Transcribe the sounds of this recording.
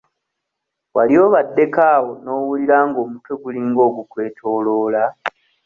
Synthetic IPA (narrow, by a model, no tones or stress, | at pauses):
walio̞βadːe̞kaːwo̞no̞ːwuliɾaːŋɡo̞ːmutwe̞ɡuliŋɡo̞ːɡukwe̞ːtʰo̞ːlo̞ːla